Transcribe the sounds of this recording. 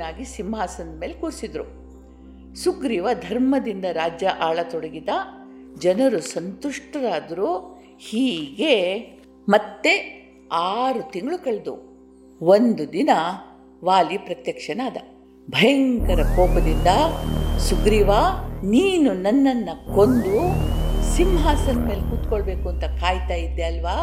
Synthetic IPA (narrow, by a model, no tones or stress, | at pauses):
aːɡisimaːsɐnd̪ɐmeːlekuːɾsid̪ɾu | suɡɾiːʋɐd̪ʱɐɾmɐd̪ind̪ɐɾaːd͡ʒjɐʔaːɭɐt̪ɔɽɐɡid̪ɐ | d͡ʒɐnɐɾusɐnt̪uʂʈɐɾaːd̪ɐɾu | hiːɡe̞ | mɐt̪ːe̞ | aːɾut̪iŋɡɐɭukɐɭd̪ṵ | ond̪ud̪inɐ | ʋaːlipɾɐt̪jɐkʂɐnaːd̪ɐ | bʱɐjɐŋkɐɾɐkɔːpɐd̪ind̪ɐsuɡɾiːʋaːniːnunɐnːɐnːɐkond̪usimɦaːsɐnme̞ːlekuːt̪koɭbe̞ːkuɐnt̪ɐkaːjt̪aːjid̪ːeɐlʋaː